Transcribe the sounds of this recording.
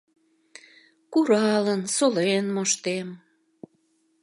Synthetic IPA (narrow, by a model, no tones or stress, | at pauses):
kuɾɑlənsolenmoʃt̪em